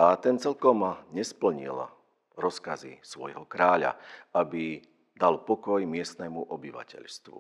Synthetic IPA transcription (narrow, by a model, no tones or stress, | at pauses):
at̪ɛnt͡sɛʎkɔmɲɛspl̩ɲḭl | ɾɔskazḭsʋɔjɦɔkɾaːʎa̰abi | d̪alpɔkɔjmɪɛst̪nɛːmuʔɔbiʋa̰cɛ̰ʎst̪ʋṵ